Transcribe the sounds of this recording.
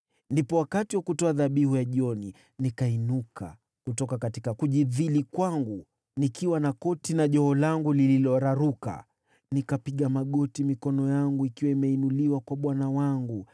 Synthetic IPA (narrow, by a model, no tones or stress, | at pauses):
ndipɔwakatiwakutɔaðaɓihujaʄiɔni | nikainuka̰ | kutɔkakatikakuʄiðilikwaŋɡu | nikiwanakɔtinaʄɔhɔlaŋɡulililɔɾaɾuka̰ | nikapiɠamaɠɔtimikɔnɔjaŋɡuikiwaimɛinuliwakwaɓwanawaŋɡu